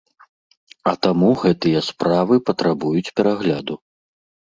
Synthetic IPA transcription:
ɐt̪amuɣɛt̪ɨjɐspɾavɨpɐt̪ɾabujut͡sʲpʲɛɾaɣlʲad̪u

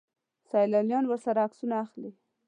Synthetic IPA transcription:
sɑjlɑljɑnwəɾsaɾaːksunaːxli

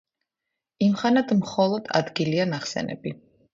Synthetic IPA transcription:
imχanad̪mχɔlˠɔd̪̥a̰d̪ɡilianaχsɛ̰nɛ̰bi

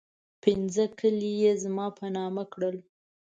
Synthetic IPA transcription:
pɪnzəkəlijezmɑpʰanɑmakɽəl

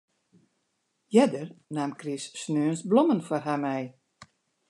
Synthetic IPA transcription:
jɛdərnaːmkrisːnøːənsblomənfwɔrɦamɛj

